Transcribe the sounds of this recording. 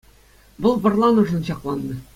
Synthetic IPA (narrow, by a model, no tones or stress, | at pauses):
bolˠbɤ̆rlˠɑnŭʐɤnɕɒqlˠɑnːɤ